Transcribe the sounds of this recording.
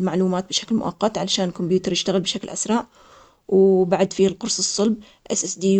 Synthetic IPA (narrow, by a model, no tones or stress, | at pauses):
lmaʕluːmaːt̪̚bɪʃaklmʊ̰ʔɑ̰qːɑt̪ʕalaʃaːnlkʊmbjuːt̪ɑɾˤjɪʃt̪aɣɪlbɪʃaklʔa̰sɾˤɑːʕ | wbaʕad̪fiːalqʊɾsˤɨsˤːɑlb̚ | ʔɪ̰sʔɪsd̪iː